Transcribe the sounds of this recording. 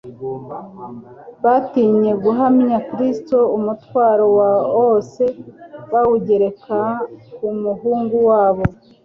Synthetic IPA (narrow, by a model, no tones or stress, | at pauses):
βatiɲe̞ɡuɦamɲakɾisto̞umutwaːɾowaose̞βawuɟe̞ɾe̞kaumuhuːŋɡuwaːβo̞